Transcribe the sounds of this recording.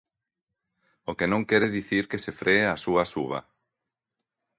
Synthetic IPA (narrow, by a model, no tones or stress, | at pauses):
okenõŋkɛɾɪðiθiɾkesefɾeasuɐsuβɐ̰